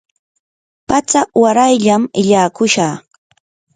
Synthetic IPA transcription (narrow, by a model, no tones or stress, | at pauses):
pat͡sawaɾajʎamɪʎaːkʊʃaχ